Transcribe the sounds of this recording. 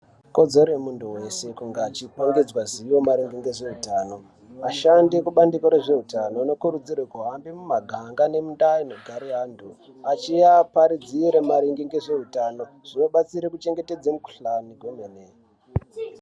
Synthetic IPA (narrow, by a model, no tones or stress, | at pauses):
ko̞d͡zo̞ɾemunduwe̞se̞kuŋɡaːt͡ʃipoŋɡed͡zwaziwo̞maɾiŋɡiŋɡeʐe̞utaːno̞ | aʃandikuɓandikoɾe̞ʐe̞utanonekuɾud͡zirwekuɦambimumaɡʱaŋɡane̞mundaino̞ɡʱaɾiɦaːndu | at͡ʃiapaɾid͡ziiɾemaɾiŋɡiŋɡe̞ʐe̞utano̞ | ʐ̥ino̞ɓat͡siɾekut͡ʃe̞ŋɡete̞d͡zamuku̥ɬaniɡʱwemeneː